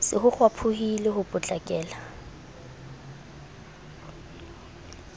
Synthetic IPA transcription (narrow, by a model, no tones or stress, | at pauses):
sɪ̰ɦʊk͡xʰwapʰʊhileɦʊpʼʊt͡ɬʼakʼɛːla